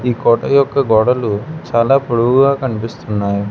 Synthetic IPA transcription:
iːkɔːʈɐjɔkːɐɡɔːɽɐlut͡ʃaːlaːpoɽuuɡaːkɐnipist̪unːaːju

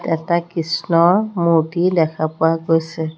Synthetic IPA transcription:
tɛtakisnɔɹmutidɛkʰapʊaɡojsɛ

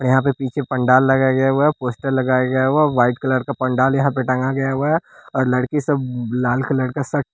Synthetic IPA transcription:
ɾjɐɦãp̬epiːt͡ʃʰepɐ̃ɳɖaːlːɐɡaɡɐjaɛpoːsʈəɾlɐɡaːjaɡɐjaɦoaʋaːɪʈkalɐɽkapɐ̃ɳɖaːljɐɦãpeʈɐ̃ŋɡaɡɐjaɦaɔːɾlɐɽkisɐblaːlklɐɽkasɐʈ

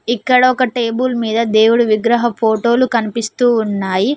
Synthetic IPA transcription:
ikːɐɽɐɔkɐʈeːbulmiːd̪ɐd̪e̞ːwuɽuʋiɡɾɐɦɐpʰo̞ːʈo̞ːlukɐnipist̪uːnːaːji

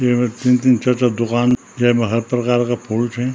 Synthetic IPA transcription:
jemet̪int̪̬int͡ʃɐt͡ʃad̪ʊkaːn | jemẽɦɐɾpɾɐkaːɾkapʰoːlt͡ʃʰɛ̃

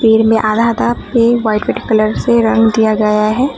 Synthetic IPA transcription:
piːɾmẽʔaːd̪ʱaːd̪ap̚keʋaːɪʈʋɪʈkɐləɾseɾɐ̃ŋɡd̪ijaɡɐjaɦɛː

